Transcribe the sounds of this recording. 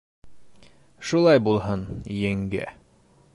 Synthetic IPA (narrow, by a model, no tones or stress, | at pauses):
ʃulˠɑjbulˠɦɤnjæŋɡæ̰